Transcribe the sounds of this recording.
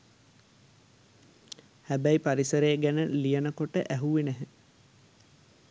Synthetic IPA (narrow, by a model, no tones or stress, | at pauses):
hæbæipaɾisəɾeːɡænəlijənəkoʈəʔæɦuʋinæɦə